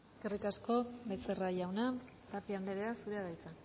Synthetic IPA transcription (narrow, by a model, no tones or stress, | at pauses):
ekerikasko̞be̞t͡se̞raʝawna | t̪apiand̪eɾeasuɾeaðajt͡sa